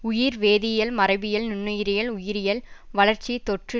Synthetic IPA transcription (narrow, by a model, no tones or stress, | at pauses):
ʊjɪɾʋeːðɪjɐlmɐrɐɪbɪjɐlnʊnːɯjɪɾɪjɐlʊjɪɾɪjɐlʋɐɭɐɾt͡ʃit̪ɔʈrɯ